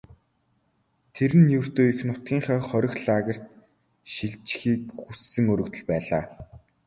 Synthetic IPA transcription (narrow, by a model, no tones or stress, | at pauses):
t̪ʰeɾɘ̆njɵr̥t̪oːixnʊt̪̚ɡ̥ʲiːŋχœːχœɾʲɪ̆xɮaːɣə̆r̥t̪ | ʃiɮt͡ɕxiːkxusːɘ̆ŋɵɾɵ̆kt̪ɘ̆ɮpæːɮaː